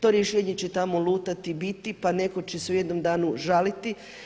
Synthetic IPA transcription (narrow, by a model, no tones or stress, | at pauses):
t̪o̞ɾjeʃeːɲe̞t͡ɕe̞t̪amo̞lˠuːt̪at̪ibit̪ipane̞ko̞t͡ɕe̞seujed̪no̞md̪aːnuʒalit̪i